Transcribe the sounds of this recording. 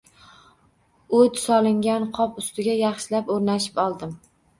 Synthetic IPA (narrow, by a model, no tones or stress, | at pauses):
od̪sɒlˠɪŋɡʲanqʰɒpʊst̪ɪɡʲajɑχʃɪlapoɾnaʃɪ̥pɒlˠd̪ɪm